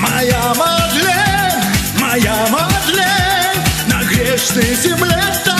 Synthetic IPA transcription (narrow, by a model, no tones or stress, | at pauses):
mɐjamɐd̪lʲe | mɐjamɐd̪lʲe | nɐɡɾʲeʂnəjzʲɪmlʲet̪a